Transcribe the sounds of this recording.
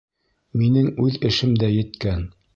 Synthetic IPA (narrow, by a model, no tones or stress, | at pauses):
minɘŋʉðɘ̆ʃɘmd̪æjɘ̆t̪kæn